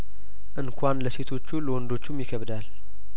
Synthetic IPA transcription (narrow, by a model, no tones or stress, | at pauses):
ʔɨnkʰʷanləse̞t̪ʰo̞t͡ʃːuləwɔnd̪o̞t͡ʃːumjɪkʰəβd̪al